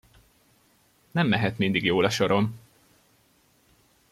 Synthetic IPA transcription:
nɛmːɛɦɛt̪mind̪iɡjoːlɒʃo̞ɾo̞m

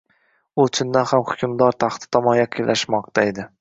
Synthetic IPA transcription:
ʊt͡ʃʰʊnd̪anhamhʊ̥kʲʰʊmd̪ɒɾt̪ʰaχt̪ʰɪ̥t̪ʰɒmɒnjaqʰɪjlʔaʃmɒq̚t̪ʰaed̪ɪ

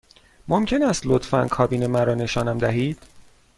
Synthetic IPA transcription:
momcʰe̞næst̪lot̪fæ̰nkʰɒːbiːnemæɾɒːne̞ʃɒːnæmd̪æɦiːd̪̥

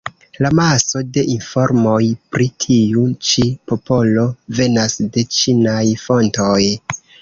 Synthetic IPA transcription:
lamaso̞de̞ʔinfo̞ɾmo̞jpɾitʰiut͡ʃipo̞po̞lo̞ve̞nasde̞t͡ʃinajfo̞nto̞j

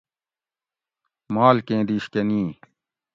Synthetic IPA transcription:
maːlkẽːd̪iːɕkɐnĩː

